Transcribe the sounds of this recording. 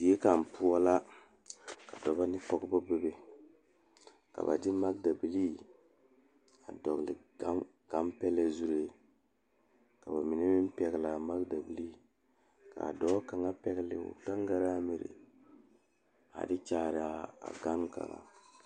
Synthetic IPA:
i˨˦e˦ka˨m˨pu˦ɔ˦la˦ | ka˨dɔ˨ba˦nɪ˦kɔ˦ɡbɔ˦be˦be˦ | ka̰˨ba̰˨dɪ˦ma˦ɡ̚da˨bi˨liː˦ | a˨dɔ˨ɡlɪ˨a˦ | ɡ̥a˦mpɛ˦lɛ˦zu˦ɾe˨ | ka˨ba˨mi˨ne˦mɪ˦m˦pɛ˨˦ɡla˨ma˦ɡda˨bi˨li˦ | ka̰˨dɔ˦ka˨ŋa˦pɛ˦ɡlɪ̰˨ʊ̰˨ɡa˦ŋɡa˦ɾa˦mi˨ɾɪ̰˨ | a̰˨dɪ˦t͡ʃaː˦˨ɾɪ˨a˦a̰˨ɡa˦nka̰˨ŋa̰˨

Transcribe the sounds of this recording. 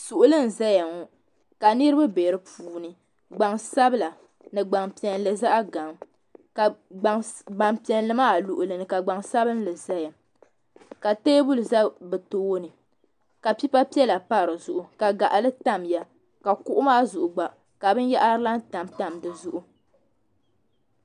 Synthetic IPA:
su˨ʔʊ˨lɨ˦n˨za˦ja˨ŋɔ˨ | ka˨nɨ˦ɾɨ˦ba˦be˨ɾɨ˦pʰuː˨nɨ˨ | ɡ͡ba˨ŋsa˦bɨ˦la˨ | nɨ˨ɡ͡ba˨ŋpi˨ɛ˨n˦lɨ˨za˦ʔa˦ɡa˨ŋ | ka˨ | ɡ͡ba˨mpi˨ɛ˨nlɨ˦maː˦˨lu˨ʔʊ˨lɨ˨nɨ˨ka˨ɡ͡ba˨ŋsa˦bɨ˦n˦lɨ˨za˦ja˨ŋ | ka˨teː˦bu˦lɨ˨za˦bɛ˨toː˦wo˦nɨ˨ | ka˨pi˦pa˦pi˦ɛ˦la˨pa˦˨ɾɨ˨zʊ˨ʔʊ˨ka˨ɡa˨ʔa˨lɨ˦ta˦mja˨ | ka˨ku˦ʔʊ˦maː˦zʊ˨ʔʊ˨ɡ͡ba˨ | ka˨bɨ˦n˦ja˦ʔa˦la˦n˦ta˨mta˨mdɨ˨zʊ˦ʔʊ˦

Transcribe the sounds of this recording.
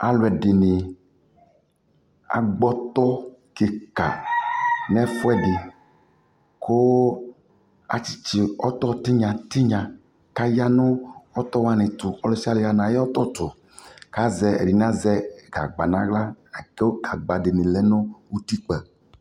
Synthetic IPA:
a˨lwɛ˨ɖɪ˨nɪ̃˨ | a̰˨ɡ͡bɔ˦t̪ɔ˦ke˨ka̰˨ | n˦ɛ˦fo˦ɛ˦ɖɪ˨ | ko˦ | a̰˨t͡ɕi̥˦t͡ɕi˨ɔ˦t̪ɔ˦t̪i˦ɲã˨t̪i˦ɲã˨ | ka˦ja˦nʊ̃˦ɔ˦t̪ɔ˦wa˦nɪ̃˨t̪u˨ɔ˦lɔ˦si˦a˦le˨ɣa˨nã˨je˦ɔ˦t̪ɔ˦t̪ʊ˨ | ka˦zɛ˨ḛ˨ɖi˨n˦ã˦zɛ˦ɡa̰˨ɡ͡ba˨nã̰˦ɡla˦˨ke˦o˦ɡa˨ɡ͡ba˨dɪ˨nĩ˨lɛ˦nʊ̃˦wu˦t̪i˦k͡pɛ˨

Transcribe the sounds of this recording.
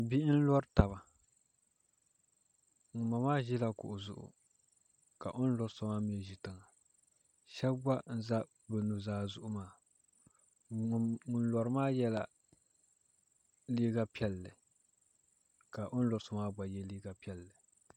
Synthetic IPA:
bi˦ʔn̩˦lɔ˦ɾta˨ba˨ | ŋu˨ma˨maː˦ʒi˦la˦kʊ̰˨ʔʊ˨zʊ̰˦˨ʔʊ̰˨ | ka̰˨ʔo˦n̩˦lɔ˨ɾsɔ˨maː˦m˦ɛ˨ʒi˨tɨ˨ŋa˨ | ʃɛ˦bba˦n̩˦za˦ | bɛ˨nu˨zaː˦zʊ˦ʔʊ˦maː˦˨ | ŋʊ˨n̩˦lɔ˨ɾɨ˦maː˦jɛ˦la˨ | liː˦ɡa˦pi˦ɛ˦lːɨ˨ | ka˨ʔo˦n̩˦lɔ˨ɾsɔ˨maː˦ba˨jɛ˦liː˦ɡa˨pi˦ɛ˨lːɨ˨

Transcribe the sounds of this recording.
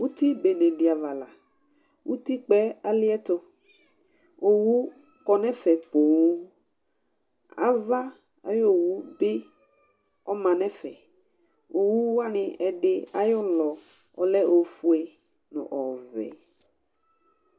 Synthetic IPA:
wu˦t̪i˦be˨nẽ˨ɖi˨a˨va˨la˨ | wʔu˦t̪i˦k͡pɛ˦a˦lɪ˦ɛ˦t̪o˦ | o˨wu˦ | kɔ˨nɛ̃˦fɛ˨k͡po˨w | a̰˦va˦ | a̰˨jo˦˨wu˦be˦ | ɔ˦mã˨nɛ̃˦fɛ˨ | o˨wu˦a˦nɪ̃˨ɛ˨ɖɪ˦a˨jɔ˦lɔ˨ | ɔ˨lɛ˦ʔo˨fu˦ɛ˨ | nʊ̰̃˨ʔɔ˨vɛ̰˨

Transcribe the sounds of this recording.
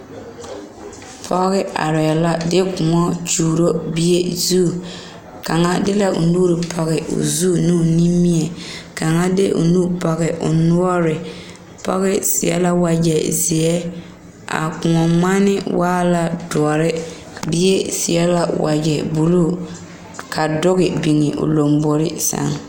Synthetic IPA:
pʰɔ˦ɣɪ˦a̰˨ɾɛ˨la˦dɪ˦kʊ˨ŋɔ˦t͡ʃuː˨ɾo˦bi˦e˦zuː˦˨ | ka˨ŋa˦dɪ˦la˦ʊ̰˨nuː˦ɾɪ˨pʰɔ˨ɣɪ˨ʔʊ̰˨zu˦˨nuː˦˨ni˦mi˦ɛ˨ka˨ŋa˦dɪ˦ʔʊ̰˨nu˦pɔ˨ɣɪ˨ʔʊ̰˨nu˦ɔ˦ɾɪ˨ | pa̰˦ɣɪ˦sḭ˨ɛ̰˦la˦wa˨d͡ʒɛ˨zi˨ɛ˦ | a̰˨kʊ˨ŋɔ˨ma˦nɪ˦waː˦la˨dɔ˨ɔ˨ɾɪ˦ | bi˦e˦si˨ɛ˦la˦wa̰˨d͡ʒɛ˨bu˨lu˦˨ | kʰa˨dʊ˦ɣɪ˨bi˨ŋɪ˨ʔʊ̰˨lo˨mbo˨ɾɪ˦sa̰˨˦ŋ

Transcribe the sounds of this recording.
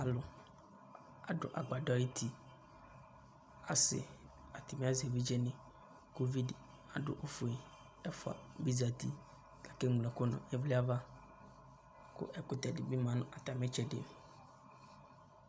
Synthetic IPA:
a˨lʊ˨ | a˨dʊ̰˨ʔa˨ɡ͡ba˨dɔ˦i˦tʰi˨ | a˨sɪ̰˨ | a˨t̪ʰɪ˨mɪ̃˦a˦ze˨vi˦d͡ʒɛ˦nɪ̃˨ | ko˦vi˦d | a˨dʊ̰˨ʔo˦fu˨e˨ | ɛ˦fʊ˨a̰˨bi˦za˨t̪i˦ | ka˨kɛ˦mu˨la˨kʊ˦nʊ̰̃˨ɛ˦vlɪ˦a˦va˦ | kʊ̰˦ʔɛ˦kʊ˨t̪ɛ˨dɪ˨bi˦mã˨nʊ̃˦ʔa˨t̪a˨mɛ̃˦t͡ʃɛ˨dɪ̰˦˨

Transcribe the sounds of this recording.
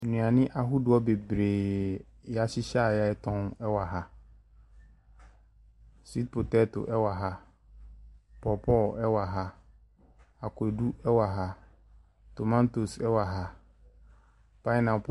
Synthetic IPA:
nũ˨a˨nɪ̃˦ʔa˨ɦu˦dʊ˨ɔ˦be˨bɾeː˨ | ja˦ɕɪ˦ɕa˦˨ja˦ɛ˦tʰɔ̃˦nɛ˦wa˨ɦa˦ | si˦t̚pʰo˨tɛ˦tʊ̰˨ʔɛ˦wa˨ɦa˦ | pɔ˨pʰɔ˦˨lɛ˦wa˨ɦa˦ | a˨kʰʊ˨ɛ˨du˦ɛ˦wa˨ɦa˨ | to˨mã˦nto˨sɛ˦wa˨ɦa˦ | pa˦ɪ˦nã˨p

